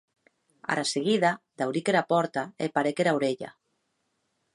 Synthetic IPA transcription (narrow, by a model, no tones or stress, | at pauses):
a̰ɾaseɣ̞iðad̪awɾikeɾapɔɾt̪aḛpaɾekeɾawɾeʎa̰